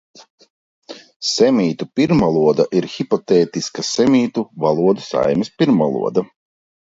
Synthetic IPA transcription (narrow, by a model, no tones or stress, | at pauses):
sɛmʲiːt̪upiɾmvalˠuɔd̪aʔiɾxipɔt̪eːt̪iskasɛmʲiːt̪uvalˠuɔd̪usa̰jmispiɾmva̰lˠṵɔd̪a